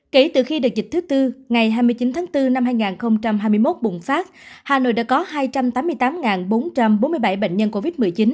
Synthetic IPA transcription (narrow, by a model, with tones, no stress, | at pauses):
ke˧˩t̪ɨ̰˧˩xi˧ɗɨ˨˩ək̚zï˨˩k̚t̪ʰɨ˨˦t̪ɨ˧ŋa˨˩jɦaː˧jmɨ˧əjt͡ɕi˨˦nt̪ʰaː˨˦ŋt̪ɨ˧na˧mhaː˧jŋaː˨˩nxə˧wŋ͡mt͡ɕa˧mɦaː˧jmɨ˧əjmo˦˥t̚ɓʊ̰˧˨ŋ͡mfaː˦˥t̚haː˨˩no̰˧˨jɗa̰ː˧˥kɔ˨˦haː˧jt͡ɕa˧mt̪aː˨˦mːɨ˧əjt̪aː˨˦mŋaː˨˩nɓo˨˦nt͡ɕa˧mɓo˨˦nmɨ˧əjɓa˧˩jɓə̰˧˨ŋ̟ɲə˧nko˧vi˦˥t̚mɨ˨˩əjt͡ɕi˨˦n